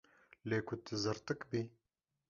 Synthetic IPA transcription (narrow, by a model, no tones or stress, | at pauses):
leːkʰʊt̪ʰɨzɨɾt̪ɨkbi